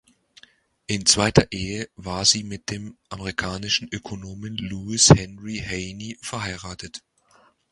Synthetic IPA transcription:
ʔɪnt͡sv̥aɪtʰɐʔeːəvaːɐziːmɪt̚d̥eːmʔameʁikʰaːnɪʃn̩ʔøkʰonoːmənluːɪshɛnʁiheɪnifɛɐɦaɪʁaːtʰət

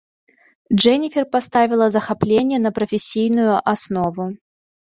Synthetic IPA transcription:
ʐɛnʲifʲɪrpast̪avʲɪlˠəzɐxaplʲenʲɪjənɐpɾɐfʲɪsʲːijnʊjʊʔasnovʊ

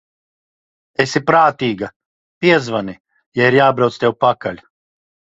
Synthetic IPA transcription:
esipɾaːt̪iːɡa | pʲiɛzvani | jaiɾjaːbɾawt̪st̪ʲɛwpakalʲ

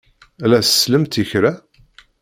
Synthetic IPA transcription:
ælæsə̥sləmt̪içɾæ

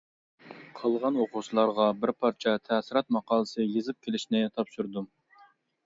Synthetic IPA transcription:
qʰɑlˠʁɑnoqʊsɨlˠɑɾʁɑbɪɾpʰɑɾt͡ʃʰɛt̪ʰɛːsɪɾɑt̪̚mɑqɑːlˠəsɨjezɨp̚kʲʰelɪʃnɪt̪ʰɑpʃuɾd̪u

